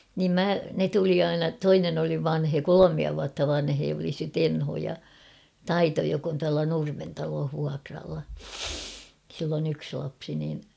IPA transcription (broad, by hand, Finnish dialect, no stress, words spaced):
niːm mæ ne tuli ɑinɑ toinen oli ʋɑnheː kolomiɑ ʋuɑtːɑ ʋɑnheː oli se tenho jɑ tɑito jok on tuɑlɑ nurmen tɑloːh ʋuɑkrɑlːɑ silː on yks lɑpsi niːn